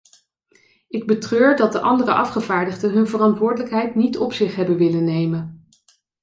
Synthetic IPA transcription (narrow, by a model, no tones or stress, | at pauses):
ɪɡ̚bətrøːɹdɑdəʔɑndərəʔɑfχəvaːɹdəχdəɦɵnvərɑntʋʊːɹdələkɦɛjtnitɔpsɪχɦɛbənʋɪlənːejmən